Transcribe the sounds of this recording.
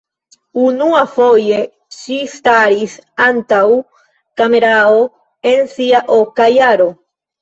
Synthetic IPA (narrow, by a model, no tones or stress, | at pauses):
unuafo̞je̞ | ʃistaɾisantaw | kame̞ɾao | e̞nsiaʔokajaɾo̞